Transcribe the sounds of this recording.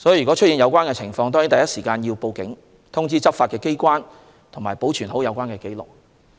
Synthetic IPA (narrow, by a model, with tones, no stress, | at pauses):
sɔː˨˥ji˨y˨kɔ˨˥t͡ʃʰt̚jiː˧njɐ˨˧wkʷwaː˥nkɛː˧t͡sʰɪ˨˩ŋfɔː˧ŋt̪ɔ˥ŋji˨˥nt̪ɐ˨jɐ˥t̚siː˨˩kaː˧njiː˧wpo˧wkɪ˨˥ŋ | t̪ʰʊ˥ŋt͡siː˥t͡sɐ˥p̚faː˧t̚kɛː˧ke˥jkʷaː˥n | t̪ʰʊ˨˩ŋmaː˨˩jpo˨˥wt͡ʃʰyː˨˩nho˨˥wjɐ˨˧wkʷaː˥nkɛː˧ke˨˥jlʊ̰˨k̚